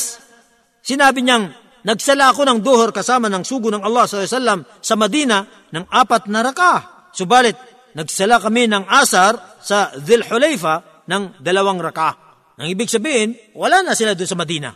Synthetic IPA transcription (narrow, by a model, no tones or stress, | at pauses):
s | sɪnaːbɪɲaŋ | nɐɡsɐlaɐko̞nɐŋd̪ohoɾkɐsaːmɐnɐŋsuːɡʊnɐŋɐlːɑsɐlawsalːɐm | sɐmɐd̪iːnɐ | nɐŋʔaːpɐt̪̚nɐɾɐkaʔ | sobaːlɪt̪̚ | nɐɡsɐlakɐminɐŋʔaːsɐɾsɐðɪlħolɛjfɐ | nɐŋd̪ɐlɐwaŋɾɐka | nɐŋʔiːbɪɡ̚sɐbiːhɪn | wɐlaːnɐsɪlad̪ʊnsɐmɐd̪iːnɐ̰